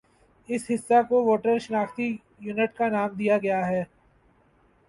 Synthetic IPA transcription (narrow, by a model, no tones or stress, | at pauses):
ɪsɦɪsːakoʋoːʈəɾʃənaːxt̪i | junəʈ̚kanaːmd̪ijaɡɐjaɦɛː